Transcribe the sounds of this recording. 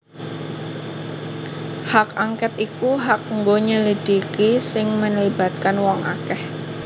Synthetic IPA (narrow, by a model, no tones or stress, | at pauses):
hakaŋkɛt̪ikuɦak̚ŋɡoɲəlid̥ikisɪŋməɲliba̤t̪̚kanwɔŋʔakɛh